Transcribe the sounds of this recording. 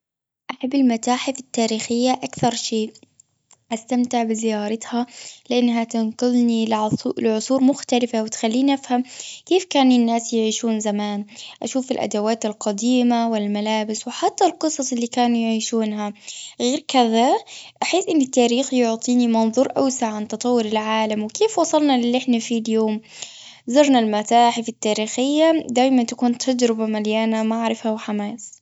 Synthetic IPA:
ʔaħabːɪlmat̪aːħɪθɪt̪ːaːɾiːxɪjːaʔakθɑɾˤʃeː | ʔast̪amt̪ɪʕbɪzɪjɑːɾˤɑt̪halɪʔanːɦat̪anqʊlnillɪʕʊsˤuːɾmʊxt̪alɪfawɪt̪xalːiːnʔafhamkeːfkaːnɪnːaːsjɪʕiːʃuːnzamaːnʔaʃuːfɪlʔa̰d̪awaːt̪ɪlqɑd̪iːmawɪlmalaːbɪswɪħat̪ːalqɨsˤɑsˤɪlːiːkaːnujʕiːʃuːnɦaɣeːɾkɪðaʔaħɪsʔɪnːɪt̪ːaːɾiːxjʊʕt̪ˤiːnimɑnðˤuːɾʔa̰wsaʕant̪ɑt̪ˤɑwːʊɾɪlʕaːlamwɪkeːfwɑsˤɑlnɑlɪlːʔɪħnafiljoːm | zɑɾˤnalmat̪aːħfit̪ːaːɾiːxɪjːad̪aːjmant̪akuːnt̪ʰad͡ʒɾɪbamaljaːnamaʕɾɪfawħamaːs

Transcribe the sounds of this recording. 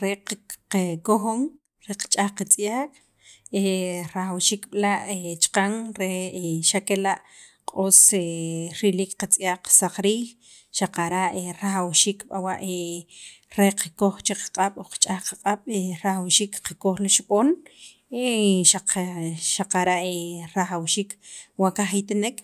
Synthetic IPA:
ɾeqqekoxoŋ | ɾeqt͡ʃʼaχqat͡sʼjaːkʼ | eɾaxawʃiːkɓlaʔet͡ʃqaŋɾeeʃakelaʔ | qʼoːseɾilikqat͡sʼjaːkqːsaqɾiːx | ʃaqaɾaʔeɾaχawʃiːkɓawaʔe | ɾeqakoχt͡ʃeqḁqʼaɓ̥oqt͡ʃʼaχqaqʼaɓ̥eɾaχawʃiːkqakoχliʃɓoːn | eʃaqʃaqaɾaʔeɾaχawʃiːkwakaχit̪anek

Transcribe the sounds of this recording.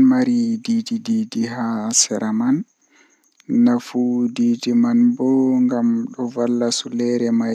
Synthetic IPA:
nmaɾididididiɦasɛɾaman | afudiːdimanbɔŋɡamɗɔvalːasulɛɾɛma

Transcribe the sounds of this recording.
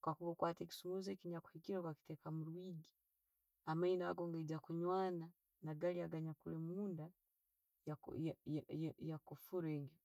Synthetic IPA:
kakuβakwaːteki̥sumuzekiɲaku̥hikiɾokwaki̥tekamuɾwiːɡi | amaina̰ːɡoŋɡaɟakuɲwaːna | naɡaliaɡaɲakulemuːnda | ja̰ | jjakufuɾeːŋɡa

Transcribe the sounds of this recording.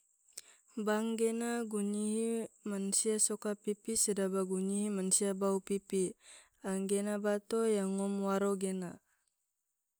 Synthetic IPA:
baŋɡenaɡuɲiɦimansiasɔkapipisədabaɡuɲiɦimansiabaupipi | aŋɡenabat̪ojaŋːɔmwaɾoɡena

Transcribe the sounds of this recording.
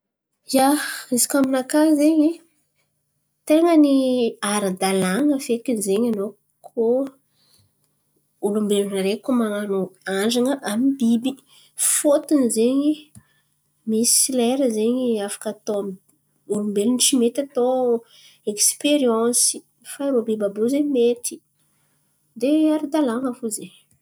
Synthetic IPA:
jaizi̥kaminakazeɲi | t̪eŋəniaɾad̪alaŋəfekʲinizeɲano | kʰo | ulumbelunaɾekomananoand͡ʒaŋəʔamibibi | fot̪inzeɲi | misilɛɾəzeɲiafḁkat̪o | ulumbelunt͡ʃimet̪at̪o | ekspeɾjãsi̥ | faɾobibabozeɲmet̪i̥ | d̪eaɾad̪alaŋəfozeɲ

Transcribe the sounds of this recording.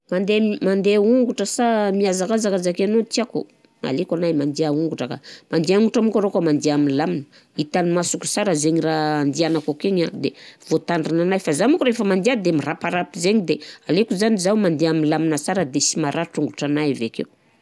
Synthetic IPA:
mand̪emand̪euŋɡuʈ͡ʂəsamiazakazakazakeanot̪iakṵ | ma̰lekʷanajmand̪eauŋɡuʈ͡ʂəka̰mand̪eauŋɡuʈ͡ʂamukaɾokamand̪eaminlaminə̥ | it̪animasukʲu̥saɾəzeɲiraand̪ianakakeɲad̪ev̥ot̪aɳɖ͡ʐinanajfazamukuɾefəmand̪iad̪emirapaɾapizeɲid̪ealekuzanizawmand̪eaminlaminəsaɾəd̪esimaɾʔaʈ͡ʂuŋɡuʈ͡ʂanajaveakḛw

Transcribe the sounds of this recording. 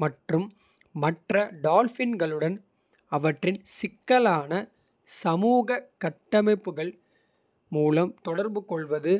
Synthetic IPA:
mɐʈrɯmː | ɐʈrɐɖaːlfɪnɡɐɭɯɽɐn | ɐʋɐʈrɪnsɪkːɐlaːnɐ | sɐmuːɣɐkɐʈːɐmɐɪpːɯɣɐɭ | muːlɐmt̪ɔɽɐɾbɯkɔɭʋɐðɯ

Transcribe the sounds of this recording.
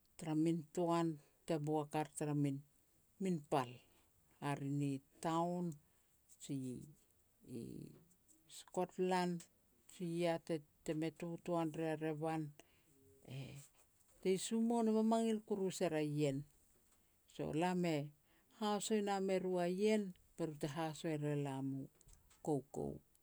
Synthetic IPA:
taɾamintoan | te̞buakaɾtaɾamin | minpal | aɾinitawn | t͡ʃi | sko̞tland | t͡ʃiatete̞me̞tutoanɾeaɾe̞βan | ḛ | te̞jsumo̞nemamaŋilkuɾuseɾaje̞n | so̞̰lame̞ | haoso̞jname̞ɾuaje̞n | peɾute̞ɦaso̞eɾe̞lamu | ko̞wko̞̰w

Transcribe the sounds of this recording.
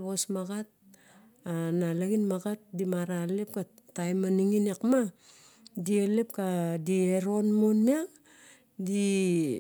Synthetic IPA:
βosmaɡat̚ | analaɡinmaɡat̚dimaɾalep̚ka | tajmaniŋinekma | dielep̚kadieɾo̞nmonmia | di

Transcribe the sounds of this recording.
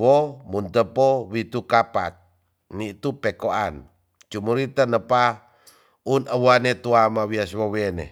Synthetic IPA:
womunt̪əpowit̪ukapak̚ | nit̪upekoan | t͡ʃumuɾit̪ənəpa | unəwanet̪uamawiaswowenḛ

